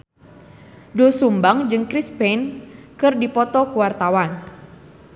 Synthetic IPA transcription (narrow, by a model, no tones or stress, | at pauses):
dɔsumbaŋd͡ʒɨŋkɾispɛnkɨrdipɔt̪ɔkuwart̪awan